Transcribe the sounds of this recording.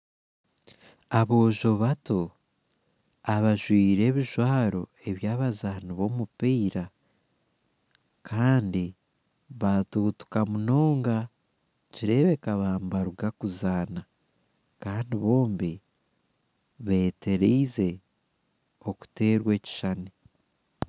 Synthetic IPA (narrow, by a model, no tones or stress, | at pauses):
aβo̞ːʒo̞βato | aβaʒwiːɾe̞ːβiʒwaːɾo̞e̞βjaːβazaːniβo̞mupiːɾa | kʰaːndi | βatuːtu̥kamuno̞ːŋɡa | ciɾe̞βe̞kaβaːmbaɾuɡakuzaːna | kaːndiβo̞ːmbi | βe̞ːte̞ɾiize̞ | o̞ku̥te̞ːɾwe̞ːci̥ʃani